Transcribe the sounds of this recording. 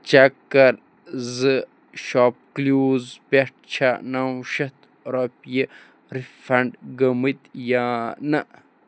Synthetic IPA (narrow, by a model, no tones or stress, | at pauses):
t͡ʃɐkɐɾ | zɨ | ʃop̚kluːzpeʈ̚t͡ʃʰanaw̃ʃɐt̪ | ɾopje | ɾifɐɳɖɡɐmit̪janɐ